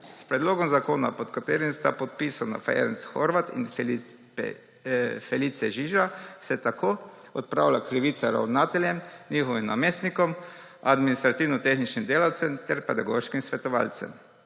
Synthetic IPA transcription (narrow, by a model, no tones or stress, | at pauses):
spɾɛd̪loːɡɔmzakoːna̰pɔt̪kat̪eːɾimst̪apɔt̪̚pisana̰faɛ̰ɾɛnsxoɾʋat̪ḭn̰ | fɛlit̪sɛʒiʒasɛt̪akʰoː | ɔt̪̚pɾa̰ːwlakɾiʋit̪saɾa̰wnaːt̪ɛlʲjɛmnixɔʋimna̰meːst̪nikɔm | ad̪minist̪ɾat̪iːwnɔt̪exnit͡ʃnimd̪eːlawt̪sɛmt̪ɛɾpɛd̪aɡoʃkimsʋɛt̪ɔʋa̰lt̪sɛ̰m